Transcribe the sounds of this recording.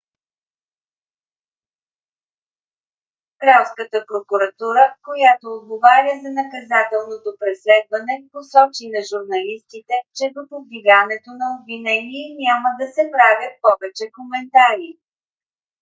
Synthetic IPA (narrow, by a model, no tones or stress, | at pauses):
kɾawskət̪əpɾokuɾɐt̪uɾəkojat̪oːd̪̚ɡovaɾʲəzɐnɐkɐzat̪ɛlˠnot̪opɾɛslɛd̪vɐnɛposɔt͡ʃinɐʒuɾnɐlist̪it̪ɛt͡ʃɛd̪opod̪viɡanɛt̪onɐobvinɛniɛnʲaməd̪ɐsɛpɾavʲjət̪̚pɔvɛt͡ʃɛkomɛnt̪aɾi